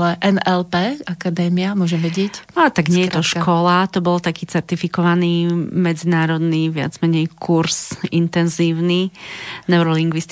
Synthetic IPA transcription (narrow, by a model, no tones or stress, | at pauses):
lɛʔɛnɛlpɛːakad̪ɛːmiamʊɔʒɛmʋɛɟɛcaːt̪aɡɲɪɛjjt̪ɔʃkʰɔlat̪ɔbɔlt̪akiːt͡sɛɾt̪ifikɔʋaniːmɛd͡zinaːɾɔd̪niʋɪa̰d͡zmɛɲɛjkʰuɾz̥int̪ɛnziːʊninɛʊɾɔliŋɡʋist̪